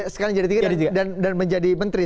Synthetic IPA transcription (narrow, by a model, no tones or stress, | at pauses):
sə̥kaɾaŋd͡ʒadit̪̬iɡaaidandanməɲd͡ʒadimənt̪ɾi